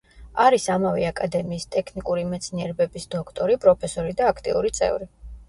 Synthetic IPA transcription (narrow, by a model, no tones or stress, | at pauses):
aɾisamavɛakʼad̪ɛmiːst̪ʼɛkʰnikʼuɾimɛt̪sʰniɛɾbɛbisd̪̥ɔkʰt̪ʼɔɾipʼɾɔpʰɛsɔɾid̪aːkʰt̪ʼḭṵɾit̪sʼɛ̰vɾi